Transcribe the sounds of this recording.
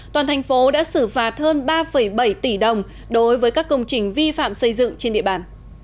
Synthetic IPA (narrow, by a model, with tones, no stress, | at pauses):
t̪waː˨˩nt̪ʰjŋ̟fo˨˦ɗa̰ː˧˥sɨ˧˩faː˨˩t̚həː˧nɓaː˧fə˧˩jɓə˧˩jt̪i˧˩ɗə˨˩wŋ͡m | ɗo˨˦jvəː˨˦jkaː˦˥kːə˧wŋ͡mt͡ɕï˨˩ŋ̟vi˧fa̰ː˧˨msə˧jzɨ̰˧˨ŋt͡ɕe˧nɗḭ˧˨əɓaː˨˩n